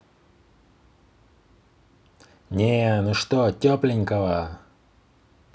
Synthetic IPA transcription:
nʲenʊʂt̪otʲoplʲɪnʲkəvə

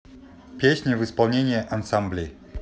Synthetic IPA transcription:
pʲjeɕɲɛvɘspɔwɲeɲɛʔansamblʲi

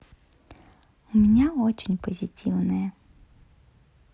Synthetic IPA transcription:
umʲenʲaɔt͡ʃinʲpɔzʲitʲiwnɛjɛ

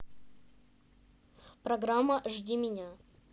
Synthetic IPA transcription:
pɾɐɡɾamːəʐdʲimʲɪnʲa

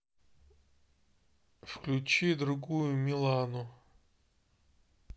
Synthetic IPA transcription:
fklʲʊt͡ɕid̪ɾʊɡujʊmʲɪlˠanʊ

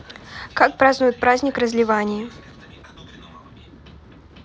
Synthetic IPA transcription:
kak̚pɾaznujɪt̪̚ʲpɾazʲnʲɪkrɐzʲlʲɪvanʲɪji

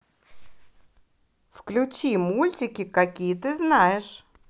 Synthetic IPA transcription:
fklʲʊt͡ɕimulʲtʲɪkʲɪkɐkʲijət̪ɨznajɪʂ

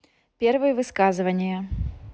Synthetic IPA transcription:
pʲɛrvɨjəvɨskazɨvɐnʲɪjɐ

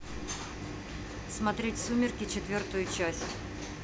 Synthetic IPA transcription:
smɐt̪ɾʲetʲsumʲɪrkʲɪt͡ɕɪt̪vʲort̪ʊjʊt͡ɕæsʲtʲ

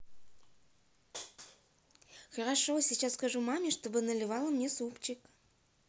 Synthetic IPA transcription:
xəɾɑʂosʲit͡ɕasːkaʐumɑmʲiʂt̪obɨnəlʲɪvɑlˠəmnʲesupt͡ɕɪk

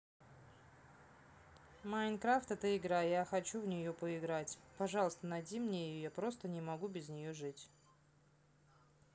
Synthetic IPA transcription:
majnkɾaft̪ɛt̪əɪɡɾajaxɐt͡ɕuvnʲɪjopəɪɡɾatʲpɐʐɑlˠəst̪ənɐjdʲimnʲejɪjojapɾo̞st̪ənʲɪmɐɡubʲɪznʲɪjoʐɨtʲ

